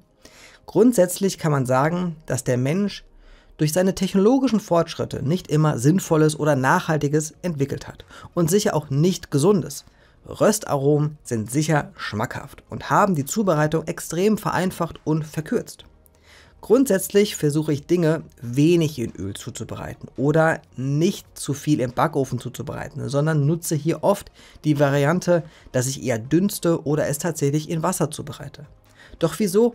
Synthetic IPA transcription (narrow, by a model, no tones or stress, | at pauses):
ɡ̥ʁʊntz̥ɛt͡slɪçkʰanmanzaːɡŋ̩d̥asd̥eːɐmɛnʃ | d̥ʊɐç̬z̥aɪnətʰɛçnoloːɡɪʃn̩fɔɐtʃʁ̥ɪ̰tʰə̰nɪçtʔɪmɐzɪnfɔləsʔoːdɐnaːχhaltɪɡəsʔɛntv̥ɪkl̩tha̰tʔʊntz̥ɪçɐʔaʊxnɪçtɡ̥əzʊndəs | ʁœsta̰ʁoːmz̥ɪntz̥ɪçɐʃmakha̰ftʔʊ̰nthaːbm̩diːt͡suːbəʁaɪtʊŋʔɛkstʁ̥eːmfɛɐʔa̰ɪnfaχtʊntfɛɐkʰʏɐt͡st | ɡ̥ʁʊntz̥ɛt͡slɪçfɛɐzuːχəɪçd̥ɪŋəveːnɪçɪnʔø̰ːlt͡suːt͡subəʁa̰ɪtn̩ʔoːdɐnɪçtt͡sufiːlɪmbakʔoːfn̩t͡suːt͡subəʁa̰ɪtn̩zɔndɐnːʊt͡səɦiːɐʔɔftd̥iːvaʁiantʰəd̥as̬ɪçʔḛːɐdʏnstəʔoːɾɐʔɛstʰaːtz̥ɛçlɪçɪnvasɐt͡suːbəʁa̰ɪtʰə | d̥ɔχv̥iːzoː